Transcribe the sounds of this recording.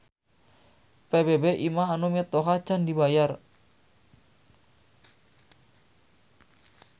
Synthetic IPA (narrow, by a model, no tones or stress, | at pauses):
pebebeʔimaɦanumit̪oɦḁd͡ʒandibajar